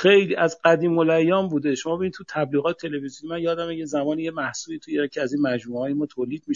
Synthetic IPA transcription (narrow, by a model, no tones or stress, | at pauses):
xejliːæzɢæd̪iːmolæjːɒːmbuːd̪eʃomɒbeinid̪t̪ʰut̪ʰæbliːɣɒːt̪ʰet̪ʰe̞levizjonimænjɒːd̪æmejezæmɒːnijemæhsuːiːt̪ʰujecʰeæziːnmæd͡ʒmuːhɒːjemɒːt̪ʰoːliːd̪̚miʃ